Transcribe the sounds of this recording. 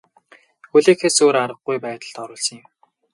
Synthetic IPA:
xɵɮeːxeːsoːɾaɾə̆ɡɡujpæːt̪ə̆ɮt̪ɔɾʊːɮsə̆ŋɪ̆m

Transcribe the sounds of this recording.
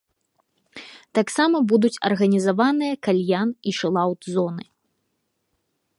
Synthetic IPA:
t̪aksamɐbud̪ut͡sʲɐ̰rɣɐnʲizavanɨjɐkalʲjaniʂɨlˠawt̪zɔnɨ

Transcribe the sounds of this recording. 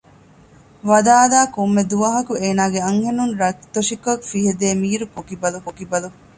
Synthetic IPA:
ʋɐd̪aːd̪aːkomːed̪uʋɐɦɐkueːnaːɡeɐŋhenunɾɐt̪oʃikokfiɦed̪eːmiːɾukokibɐlukokibɐlu

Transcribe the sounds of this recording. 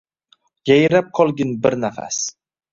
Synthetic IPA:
jajɾap̚qʰɒlˠɡʲɪnbɪɾnafa̰s

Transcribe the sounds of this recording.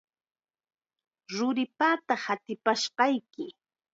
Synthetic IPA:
ɾʊɾɪpat̪ɑχat̪ɪpaʃɢɑjkɪ

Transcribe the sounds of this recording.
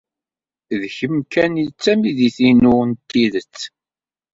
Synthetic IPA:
ðçəmkænjt͡sːæmiðiθinʊnt̪ːiðət͡sː

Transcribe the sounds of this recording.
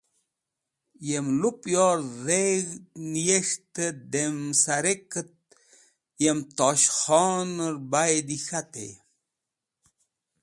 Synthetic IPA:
jemlupjoːɾɾeɣnijeʂt̪əd̪emsaɾekət̪̚ | jemt̪oɕχɔːnəɾbajd̪ixat̪ḛ

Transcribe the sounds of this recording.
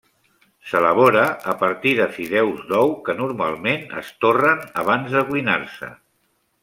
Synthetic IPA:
sələβ̞oɾəːpəɾt̪iðəfiðɛwzðɔwkənuɾma̰lˠmenə̰st̪orənəβ̞anzðəkwina̰ɾsə̰

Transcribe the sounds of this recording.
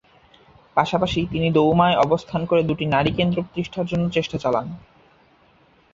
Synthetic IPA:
paʃapaʃit̪inid̪owmaeɔbost̪ʰankoɾed̪uʈinaɾikend̪ɾopɾo̥t̪iʃʈʰaɾd͡ʑonːot͡ɕeʃʈat͡ɕala̰n

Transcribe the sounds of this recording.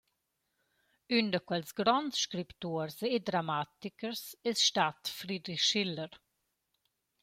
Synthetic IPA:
yndəkwɛlsɡɾɔntʃkɾipt̪uːəɾsed̪ɾamat̪ikəɾsɪsʃtat̪fɾid̪ɾixʃɪlːəɾ

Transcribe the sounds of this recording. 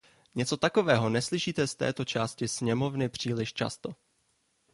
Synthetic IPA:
ɲɛt͡so̞t̪ako̞vɛːɦo̞nɛslɪʃiːt̪ɛst̪ɛ̰ːt̪o̞t͡ʃaːscɪsɲɛmo̞vnɪpr̝̥iːlɪʃt͡ʃa̰st̪o

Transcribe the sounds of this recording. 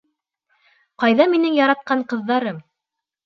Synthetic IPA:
qɑjðɑminɘŋjɑɾɑt̪̚qɑɴqɤ̆ðːɑɾɤm

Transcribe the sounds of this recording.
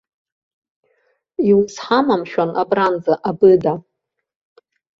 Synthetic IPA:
iwsħamamʃᶣanʔabrand͡zaʔabɨda

